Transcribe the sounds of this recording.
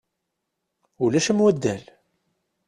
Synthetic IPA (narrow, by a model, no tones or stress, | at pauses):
ulæʃəmwæd̪ːæl